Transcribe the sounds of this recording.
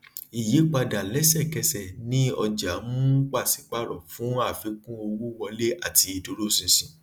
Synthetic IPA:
i˨je˨˦k͡pa˧da˨lɛ˨˦sɛ˦˨kɛ˧sɛ˨nĩ˦ɔ˧d͡ʒa˨˦mũ˦k͡pa˦˨si˨˦k͡pa˦ɾɔ˨fũ˨˦a˦˨fi˨˦kũ˦o˧wu˦wɔ˧le˦a˦˨ti˧i˧to˧ɾo˦sĩ˧sĩ˨

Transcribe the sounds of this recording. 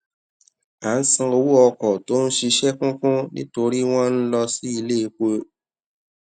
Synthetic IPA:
a˨n̩˦sĩ˧o˧wu˦ɔ˧kɔ˨to˨˦n̩˦ʃi˧ʃɛ˦kũ˦kũ˦nḭ̃˦to˧ɾi˦w̃ɔ̃˦n̩˦lɔ˧si˦i˧le˦˧˦k͡po˦

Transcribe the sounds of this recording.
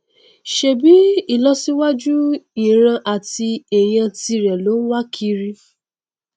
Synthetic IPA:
ʃe˨bi˨˦i˦˨lɔ˦si˦wa˦d͡ʒu˦i˨ɾ̃ã˧ʔa˨ti˧e˨j̃ã˧ti˧ɾɛ˨lo˨˦n̩˦wa˦kʰi˦˧ɾi˧

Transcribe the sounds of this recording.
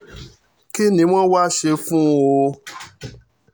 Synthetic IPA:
ki˦nĩ˧˦w̃ɔ̃˦wa˦ʃe˧fũ˦o˧

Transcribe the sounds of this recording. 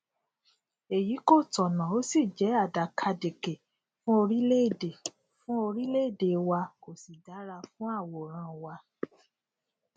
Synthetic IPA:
e˨ji˨˦ko˦˨tɔ˨nã˨o˨˦si˦˨d͡ʒɛ˨˦a˦˨da˨kʰa˧de˨ke˨ | fũ˦o˧ɾi˦le˦˨de˨ | fũ˦o˧ɾi˦le˦˨de˨wa˧ko˨si˨da˨˦ɾa˧fũ˦a˦˨wɔ˨ɾ̃ã˧wa˧

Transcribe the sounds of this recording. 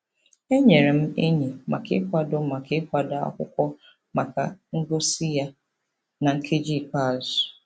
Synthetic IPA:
e˦ɲe˨ɾe˨m̩˦e˦ɲe˨ma̰˨kɪ̰˦kʷa˦do˦ma˨kɪ˦kʷa˨da˨ɔ̰˦kʷʊ˦kʷɔ˦ | ma˨ka̰˨ŋ̩˦ɡo˦si˦ja˦ | na˨ŋ̩˦kʰe˦d͡ʒi˦˨ka˦˨z

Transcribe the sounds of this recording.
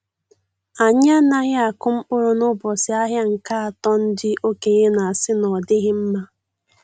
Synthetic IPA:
a˨ɲa˦na˦ɣɪ˦a˨kʊ˦m̩˦ʊ˦ɾʊ˨nʊ˦bɔ˨sɪ˨a˦ɦja˦ŋ̩˨ka˦a˨tɔ˦n̩˦dɪ˦ʔo˦ke˨ɣe˦na˨a˨sɪ˦nɔ˨dɪ˦ɣɪ˦m̩˦ma˦

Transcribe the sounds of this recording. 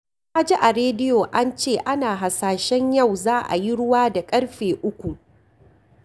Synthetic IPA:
ʔa˦d͡ʒi˦ʔa˨ɾeː˦dɪ˦joː˨ʔa˦nt͡ʃeː˦˨ʔa˦naː˨ɦa˨saː˨ʃɛ˦ɲjɐ˦˨wzaː˦ʔa̰˨ji˦ɽʊ˦waː˦da˨kʼɐ˦ɽɸeː˨ʔʊ˦kʷu˨ʔ

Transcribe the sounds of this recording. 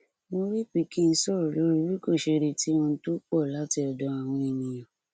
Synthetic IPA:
mõ˧ɾi˦k͡pi˨˦ki˦n̩˧˦sɔ˦˨ɾɔ˨lo˨˦ɾi˧˦wi˦ko˦˨ʃe˧ɾe˧ti˨˦w̃ɔ̃˧n̩˦to˦k͡pɔ˦˨la˨˦ti˧ɔ˨dɔ˨˧a˨w̃ɔ̃˧e˨nĩ˨j̃ã˨

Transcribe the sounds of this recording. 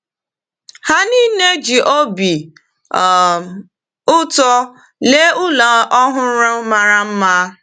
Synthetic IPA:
ha˦ni˦ne˦d͡ʒi˨ʔo˦bi˨ | ʊ˦tɔ˦ | le˦ʊ˦la˨ʔɔ˦ɦʊ˨˦ɾa˦ma˨ɾa˦m̩˦ma˦

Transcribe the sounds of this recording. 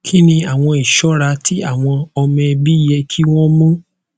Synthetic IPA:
kʰi˦nĩ˧a˨w̃ɔ̃˧i˨ʃɔ˨˦ɾa˧tʰi˦a˦˨w̃ɔ̃˧ɔ˧mɛ̃˧bi˦jɛ˧kʰi˦w̃ɔ̃˦mɔ̃˦

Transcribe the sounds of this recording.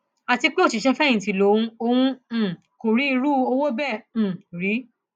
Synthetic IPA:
a˨ti˧k͡pe˦o˦˨ti˨ʃɛ˧fɛ̃˦˨ĩ˨ti˨˦˨lo˨˦ũ˧o˧wũ˧˨ | ko˨ɾi˨˦i˧ɾu˦o˧wo˦bɛ̃˦˨ɾi˨˦

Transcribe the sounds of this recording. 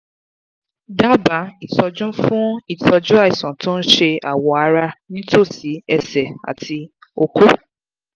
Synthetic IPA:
da˦ba˨˦i˨tɔ˧d͡ʒɔ̃˦fũ˦i˦˨tɔ˧d͡ʒũ˦a˦˨i˨sɔ̃˨tʊ̃˦n̩˦ʃe˧a̰˨wɔ˨˦a˧ɾa˧nĩ˦to˦˨si˨˦ɛ˧˨sɛ˨a̰˨tʰi˧ | o˧ko˦

